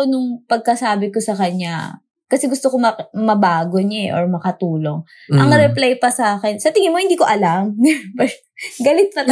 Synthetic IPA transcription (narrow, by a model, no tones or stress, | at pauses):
onʊŋpɐɡ̚kɐsaːbɪkosɐkɐɲa̰ | kɐsɛɡʊst̪okomɐmɐbaːɡoɲɐɛ̰ʔoɹmɐkɐt̪uːlo̞ŋ | ʔɐŋɾɛplajpɐsɐaːkɛnsɐt̪ɪŋɪnmohɪnd̪iːko̞ʔɐlamp | ɡɐlɪt̪̚pɐt̪